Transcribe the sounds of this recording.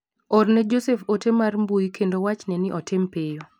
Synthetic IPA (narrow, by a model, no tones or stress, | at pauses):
ɔrnɛd͡ʒosɛfotemarmbujkʰendowat͡ʃnɛnɪʔɔtʰempejo